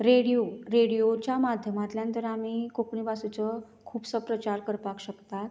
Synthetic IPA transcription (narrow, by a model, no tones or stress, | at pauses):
ɾeɽijoɾeɽijot͡ɕjamad̪ʱjəmat̪ljãnt̪əɾamiːkokɳibasut͡sə | kʰuːpsəpɾət͡ɕaɾkəɾpakɕəkt̪at̪